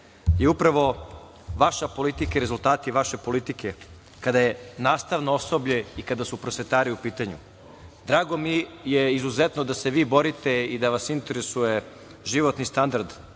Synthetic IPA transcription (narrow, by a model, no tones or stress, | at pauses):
jeupɾaʋo̞ | ʋaʃapo̞lit̪ikaiɾe̞zulˠt̪aːt̪iʋaʃe̞po̞lit̪ikʰe̞ | kad̪ajenaːst̪aʋnoosobʎeikad̪asupɾosʋet̪aːɾiupiːt̪aɲṵ | d̪ɾaːɡo̞mijeizuzet̪nod̪ase̞ʋiːbo̞ɾit̪eid̪aʋasint̪eɾesuje̞ | ʒiʋo̞t̪nist̪and̪aɾd̪